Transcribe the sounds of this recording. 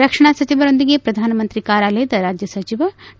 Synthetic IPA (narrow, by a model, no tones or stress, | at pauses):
ɾɐkʂɐɳ̃aːsɐt͡ʃiʋɐɾond̪iɡepɾɐd̪ʱaːnɐmɐnt̪ɾikaːɾaːleːd̪ɐɾaːd͡ʒjɐsɐt͡ʃiʋɐ